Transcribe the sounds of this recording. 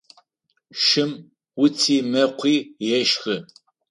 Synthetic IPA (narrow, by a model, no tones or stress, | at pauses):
ʃɪm | wʊt͡sʰiːmɐqʷʰiːjɛʃxɨ